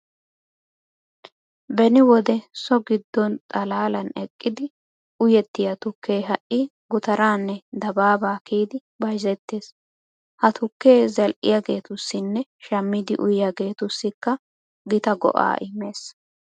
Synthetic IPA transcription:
bɛnɪwɔd̪ɛsɔɡɪd̪ːɔnt̪ʼɐlaːlɐnɛkʼːɪd̪ɪ | ʊjɛt̪ːɪjɐt̪ʊkːe̞ːɦɐʔɪ | ɡʊt̪ɐɾaːnːɛd̪ɐbaːbaːkiːd̪ɪ | bɐjzɛt̪ːeːs | hɐt̪ʊkːe̞ːzɐlʔɪ̰jaɡe̞ːt̪ʊsːɪnːɛʃɐmːɪd̪ɪʔʊjjaɡe̞ːt̪ʊsːɪkːɐ | ɡɪt̪ɐɡɔ̰ʔa̰ːʔɪme̞ːs

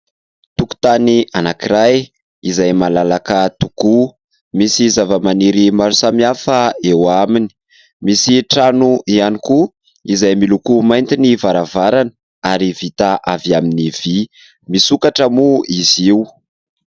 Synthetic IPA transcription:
t̪uku̥t̪aniʔanakiɾaj | izajmalalakət̪uku | misizavəmaniɾimaɾusamiafəewamini̥ | misiʈ͡ʂanuianiku | izajmilukumajnt̪inivaɾavaɾanə | aɾivit̪aʔaviaminiv̥i | misukaʈ͡ʂəmuiziw

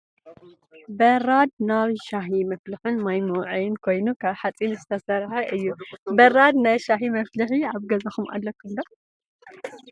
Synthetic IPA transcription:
bɐɾad̪̚naβʃaɦimɐflɨħunmajmuʕijɪnkʰo̞jnukʰaβħat͡sʼinzɨt̪ʰɐsɐɾħaʔɨjːubɐɾad̪̚najʃaɦimɐflɨħiaβɡɐzɐxumʔa̰lːɐkʰːund̪ɐ

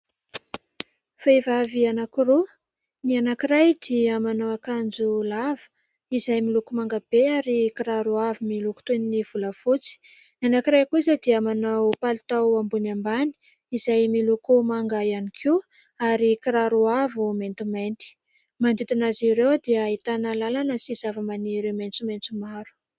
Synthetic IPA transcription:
faivavianakiɾu | nianakirajd̪iamanawakand͡zulav̥ə̥ | izajmilukumaŋɡab̥eaɾikiɾaɾuavimiluku̥t̪eniniv̥uləfut͡si̥ | nianakiɾajkuizad̪iamanawpalit̪awambunambani̥ | izajmilukumaŋɡajanikʰi | aɾikiɾaɾuavument̪ument̪i̥ | mand̪it̪inaziɾewd̪iait̪analalanəsizavəmaniɾement͡sument͡sumaɾu̥

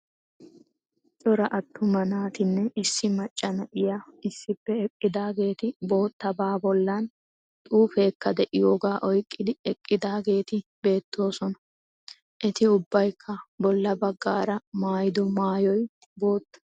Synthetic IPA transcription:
t͡ʃʼɔɾɐʔɐt̪ːʊmɐnaːt̪ɪnːɛɪsːɪmɐt͡ʃʼːɐnɐʔɪjaɪsːɪpːɛɛkʼːɪd̪aːɡe̞ːt̪ɪbo̞ːt̪ːɐbaːbɔlːɐn | t̪ʼuːfe̞ːkːɐd̪ɛʔɪjo̞ːɡaːʔɔjkʼːɪd̪ɪɛkʼːɪd̪aːɡe̞ːt̪ɪbe̞ːt̪ːo̞ːsɔnɐ | ʔɛt̪ɪʊbːɐjkʰːɐbɔlːɐbɐɡːaːɾɐmaːjɪd̪ɔmaːjɔj | bo̞ːt̪ːɐ̥

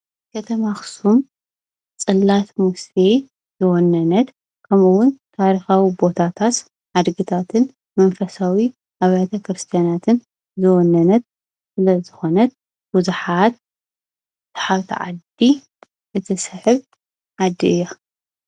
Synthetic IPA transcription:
kʰɐt̪ʰɐmaxsum | t͡sʼɨlːat̪muse | zɨwɔnːɐnɐt̪ | kʰɐmuwʊnt̪ʰaɾixawibo̞t̪ʰat̪ʰat̪ | ʕad̪ɡɨt̪ʰat̪ʰɨn | mɐnfɐsawi | ʔaβjt̪ʰɐkɾɨst̪ʰijanat̪ʰɨn | zɨwɔnːɐnɐt̪̚ | sɨlɐzɨxo̞nɐt̪̚ | b̥uzuħat̪̚ | t̪ʰḁħaβt̪ʰḭʕa̰d̪i | ʔɨt̪ʰɨsɨħɨβ | ʕad̪iɨjːo

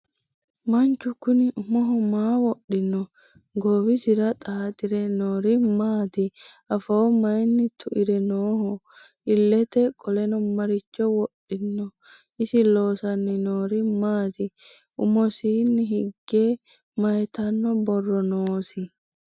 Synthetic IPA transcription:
mɐnt͡ʃːʊkʊnɪʔʊmɔɦɔmaːwɔɗːɪnːɔ | ɡowɪsɪɾɐt̪ʼaːt̪ʼɪɾɛnoːɾɪmaːt̪ɪ | ɐfɐɔmɐjnːɪt̪ʰʊʔɪɾɛnoːhɔ | ɪlːɛt̪ɛkʼɔlɛnɔmɐɾɪt͡ʃːɔwɔɗːɪnːɔ | ɪsɪloːsɐnːɪnoːɾɪmaːt̪ɪ | ʊmɔsiːnːɪɦɪɡːeː | mɐjt̪ɐnːɔbɔrːɔnoːsɪ

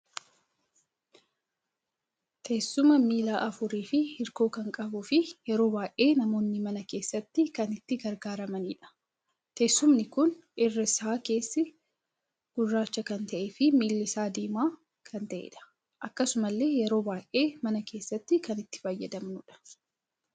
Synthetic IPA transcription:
t̪ʰeːsːʊmɐmiːlaːʔɐfʊɾiːfɪhɪɾko̞ːkɐŋkʼɐbʊːfɪjɛɾo̞ːbaːʔe̞ːnɐmo̞ːnːɪmɐnɐke̞ːsːɐt̪ːɪkɐnɪt̪ːɪɡɐɾɡaːɾɐmɐniːᶑɐ̥ | t̪eːsːʊmnɪkʊn | ɪrːɐsaːke̞ːsːɪ | ɡ̥ʊrːaːt͡ʃːɐkɐnt̪ɐʔefɪmiːlːɪsaːd̪eːmaː | kʰɐnt̪ɐʔḛːᶑɐ̥ | ʔɐkːɐsʊmɐlːe̞ːjɛɾo̞ːbaːjʔʔeːmɐnɐke̞ːsːɐt̪ːɪkɐnɪt̪ːɪ̥fɐjːɐd̪ɐmnʊᶑɐ̥

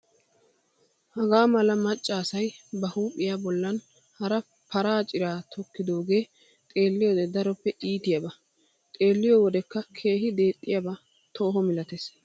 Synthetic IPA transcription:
hɐɡaːmɐlɐmɐt͡ʃʼːaːsɐjbɐhuːpʼːɪjabɔlːɐn | hɐɾɐ | pʰɐɾaːt͡ʃʼɪɾaːt̪ʰɔkːɪd̪o̞ːɡe̞ː | t̪ʼe̞ːlːɪjɔd̪ɛd̪ɐɾɔpːɛʔiːt̪ɪjɐbɐ | t̪ʼe̞ːlːɪjɔwɔd̪ɛkːɐkʰe̞ːɦɪd̪e̞ːt̪ʼːɪjɐbɐ | t̪ʰo̞ːɦɔmɪlɐt̪es

